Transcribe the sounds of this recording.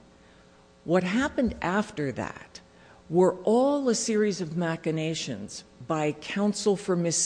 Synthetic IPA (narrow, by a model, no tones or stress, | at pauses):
wʌt̚ɦæpɨ̃ndæftə˞ðæ̰t̚ | wə˞ʔɔlˠəsɪɹizʌvmækɨneɪʃɨ̰̃nz̥baɪkʰãʊ̃nsl̩ˠfə˞mɨs